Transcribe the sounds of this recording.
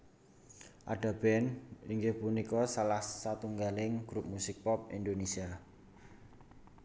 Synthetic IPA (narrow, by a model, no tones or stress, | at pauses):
ʔa̰ɖ̥a̤b̥ɛniŋɡɪhpunikɔsalahsat̪uŋɡalɪŋɡ̥ɾup̚musɪk̚pɔp̚ḭnd̪onesia